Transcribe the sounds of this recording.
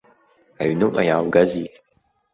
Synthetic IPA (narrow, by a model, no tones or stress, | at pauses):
aɥnɨʔʼa̰jaːwɡazi